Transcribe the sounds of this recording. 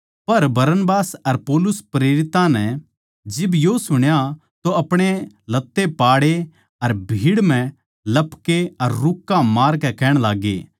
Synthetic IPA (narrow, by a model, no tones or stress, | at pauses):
pɐɾbɐɾənbaːsɐɾpɔːlʊspɾeːɾɪt̪ãnɛ | d͡ʒɪbjosʊɽ̃ja | t̪oɐpɽ̃e | lɐt̪ːepaːɽe | ɐɾbʱiːɽmɛ̃ | lɐpkeɐɾːʊkːãmaːɾkɛkɛːɽ̃laːɡḛː